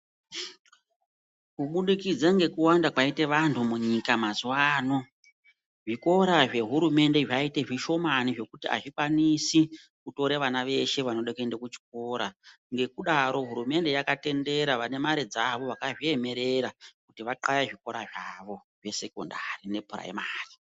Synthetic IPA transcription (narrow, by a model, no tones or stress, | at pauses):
kuɓuɗikid͡zaŋɡe̞kuwandakwaite̞ʋantʰumuɲikamazuwaːno̞ | ʐiko̞ɾaʐe̞ɦuɾume̞nde̞ʐaite̞ʐiʃo̞maniʐe̞kutia̰ʐikwanisi | kuto̞ɾeʋanaʋe̞ʃe̞ʋano̞ɗekendekut͡ʃi̥k̚o̞ɾa | ŋɡe̞kuɗaɾo̞ɦuɾume̞nde̞jakate̞nde̞ɾaʋane̞maɾid͡zaʋo̞ʋakaʐie̞me̞ɾe̞ɾakutiʋaǃajaʐiko̞ɾaʐaʋo̞ | ʐe̞se̞ko̞̰ndarine̞pʰuɾa̰ḛmaːri